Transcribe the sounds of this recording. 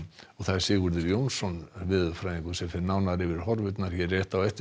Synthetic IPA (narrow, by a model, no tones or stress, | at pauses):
ɔɣθaɛ̥sɪːɣʏɾðɪɾjownsɔnvɪðfɾajðiŋkʏsɛmfɪɾnawnaɾɪvɪɾ̥ɦɔɾvʏt̪naɾ̥çɛɾːɛːht̪awɛht̪